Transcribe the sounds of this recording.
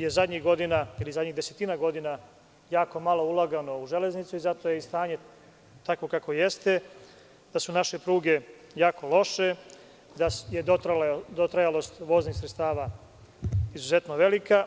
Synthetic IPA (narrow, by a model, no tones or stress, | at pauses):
je̞zad̪ɲiɣɡo̞d̪inailizad̪ʲɲid̪e̞se̞t̪inaɡo̞d̪ina | jaːko̞malˠo̞ulˠaɡano̞uʒe̞le̞znit̪suizat̪o̞jeist̪aːɲe̞ | t̪ako̞kako̞je̞st̪e̞ | d̪̥asunaʃe̞pɾuːɡe̞ | jaːkʰo̞lo̞ʃe̞ | d̪ajed̪ot̪ɾajalo̞st̪ʋo̞ːznixsɾetst̪aːʋa | izuze̞t̪no̞ʋe̞lika